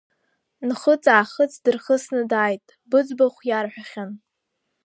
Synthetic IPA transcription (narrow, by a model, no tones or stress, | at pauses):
nχət͡sʼaːχət͡sʼdɨrχəsnɨdaːjtʼ | bɨd͡zbaχʷjarħʷᶣaχʲan